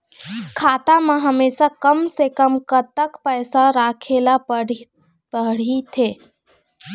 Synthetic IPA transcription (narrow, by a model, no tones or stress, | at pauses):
kʰaːt̪amãɦəmeːsakəmsekəmkət̪əkpɛːsaɾaːkʰeːla | pəɽ̤it̪ʰeː